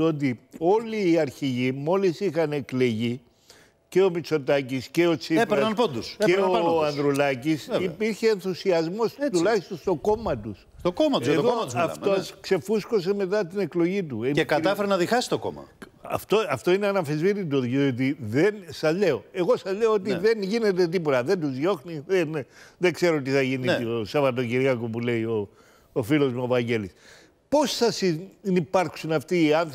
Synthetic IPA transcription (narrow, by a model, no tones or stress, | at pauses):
ot̪̬io̞liːɐɾçiʝimo̞lisixɐne̞kle̞ʝi | ce̞o̞mit͡so̞t̪ɐcisce̞o̞t͡siepeɾnɐnpond̪useoɐɐnðɾulɐcisipiɾçe̞ːnθusiɐzmo̞st̪ulɐçist̪o̞nst̪o̞ko̞mɐt̪us | st̪okomɐt̪uzɐtoðomɐt̪sɐft̪oskse̞fusko̞s̬eme̞t̪̬ɐt̪ine̞klo̞ʝit̪̬ueekɐt̪ɐfeɾenɐðixɐsi̥t̪oko̰mɐ̰ɐ̰ft̪oɐft̪o̞ineɐnɐfizviɾit̪oðɟeot̪̬iðensɐze̞o̞e̞ɣo̞sɐzle̞oot̪̬iðe̞nʝine̞t̪̬ed̪ipot̪ɐðend̪uzʝo̞xniðenðekse̞ɾot̪̬iθɐʝiniiosɐvɐt̪̬o̞ciɾiɐkopule̞io̞ː | filo̞zmuovɐɲɟe̞lis | po̞sːɐsinipɐɾksunɐft̪iɐn